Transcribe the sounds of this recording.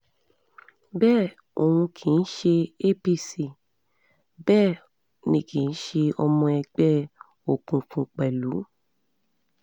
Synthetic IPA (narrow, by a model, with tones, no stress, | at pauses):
bɛː˦˨ | o˨hũ˧kʰĩ˨n̩˦ʃe˧e˦pi˧si˦˨ | bɛː˦˨ | nĩ˨kʰĩ˨n̩˦ʃe˧ɔ˧mɔ̃˧ɛ˧ɡ͡bɛ˦ | o˨kũ˨kũ˨k͡pɛ˨lu˨˦